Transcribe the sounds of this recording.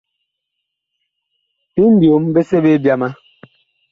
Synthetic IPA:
pi˦n̩˦bjo˨˦mbe˦se˦be˦bja˦ma˦

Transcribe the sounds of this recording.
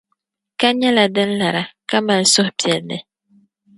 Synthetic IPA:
ka˦ɲɛ˦la˨dɨ˦n̩˦la˨ɾa˨ka˦ma˨n˨sʊ˦hʊ˨pi˨ɛ˨lnɨ˨

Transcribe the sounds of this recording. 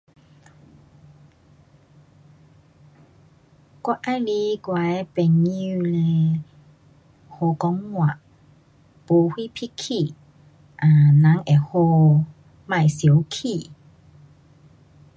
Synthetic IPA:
kɔ˧˦ʔa˧˦li˧˦kwa˨˦pɛ˨ŋɲi˧le˧ | ho˧kɔ˧˦ŋmwa˨ʔ | po˧hwi˦pʰi˦kʰːi˧˨ | ʔa˨nã˨˦ŋʔɛ˨ho˧ | mã˧˨jsjə˦wkʰi˧˨

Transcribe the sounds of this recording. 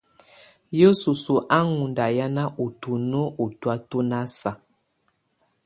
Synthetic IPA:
jo˦su˨su˨ʔa˦ŋu˨nda˨ja˦na˦ʔu˨tu˨no˦ʔu˨twa˦to˦na˦sa˨

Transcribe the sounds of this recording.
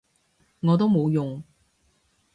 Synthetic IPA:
ŋɔː˨˧t̪̬o˥wmo˨˧wjʊ˨ŋ

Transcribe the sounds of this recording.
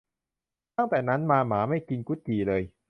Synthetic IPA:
t̪a˥˩ŋt̪ɛː˨˩na˦˥nmaː˧maː˩˦ma˥˩jki˧nku˦˥t̪̚kiː˨˩lɤː˧j

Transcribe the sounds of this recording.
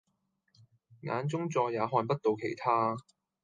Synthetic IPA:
ŋa̰ː˨˧nt͡sʊ˥ŋt͡sɔː˧jaː˨˧ɦɔː˧npɐ˥t̚t̪o˨wkʰe˨˩jt̪ʰaː˥

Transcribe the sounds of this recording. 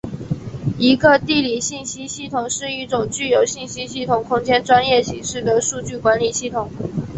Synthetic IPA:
i˧˥ɡə˧t̪i˥˩li˨˩ɕi˥˩nɕi˥ɕi˥˩t̪ʰʊ˨˩ŋʂɻ̩˥˧i˥˩ʈ͡ʂʊ˨˩ŋt͡ɕy˥˩jo˨˩ʊɕi˥˩nɕi˥ɕi˥˩t̪ʰʊ˨˩ŋkʰʊ˥ŋt͡ɕjɛ˥nʈ͡ʂwa˥njɛ˥˩ɕi˧˥ŋʂɻ̩˥˩d̪ə˩ʂu˥˧t͡ɕy˥˩kwa˧˥nli˨˩ɕi˥˩t̪ʰʊ˨˩˦ŋ

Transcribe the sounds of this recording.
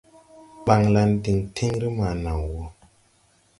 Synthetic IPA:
ɓa˨ŋla˧n˦di˨ŋtʰe˦ŋɾi˦ma˨na˨ŋwɔ˦

